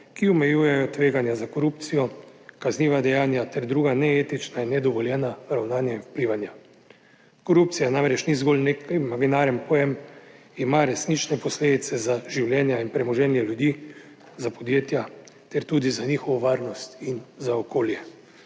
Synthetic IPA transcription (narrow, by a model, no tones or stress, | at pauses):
kiɔmɛjuːjɛjɔt̪ʋeːɡanjazakɔɾupt̪sijɔkazniːʋad̪ɛjaːnjat̪ɛɾd̪ɾuːɡanɛeːt̪it͡ʃnainːɛd̪ɔʋɔljɛnaɾawnaːnjainwpliʋanja | kɔɾup̚t̪sijanamɾɛt͡ʃnizɡolnekamaɡinaːɾɛmpɔjɛm | imaɾɛsnit͡ʃnɛpɔsleːd̪it̪sɛzaʒiwljɛːnjainpɾɛmɔʒɛːnjɛljud̪iː | zapɔd̪jeːt̪jat̪ɛɾt̪uːd̪izaniːxɔʋɔʋaːɾnɔst̪inzaɔkoːljɛ